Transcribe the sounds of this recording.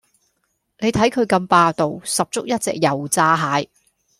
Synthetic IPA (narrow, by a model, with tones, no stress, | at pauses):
ne˨˧jt̪ʰɐ˨˥jkʰɵ˨˧ɥkɐ˧mpaː˧t̪o˨wsɐ˨p̚t͡sʊ˥k̚jɐ˥t̚t͡sɛ̰ː˨k̚jɐ˨˩wt͡saː˧ɦaː˨˧j